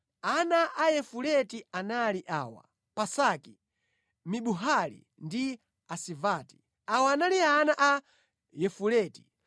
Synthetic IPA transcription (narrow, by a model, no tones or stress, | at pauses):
anaʔajɛfulɛtianaliʔaːwa̰ | pasaki | miɓuɦalḭ | ndi | asivaːti̥ | awaːnalianaʔa | jɛfulɛti̥